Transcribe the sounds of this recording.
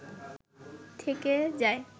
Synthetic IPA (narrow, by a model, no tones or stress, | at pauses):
t̪ʰeked͡ʑae